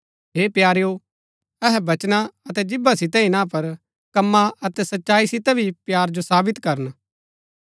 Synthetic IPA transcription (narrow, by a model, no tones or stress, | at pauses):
ɦeːpjaːɾejo | ɛɦɛbɐt͡ʃnaɐt̪ɛd͡ʒɪbasɪt̪̬ɛ̃ĩnãpɐɾ | kɐmːaɐt̪ɛsɐtːʃaːisɪt̪ɛbʱipjaːɾd͡ʒosaːbɪt̪kɐɾən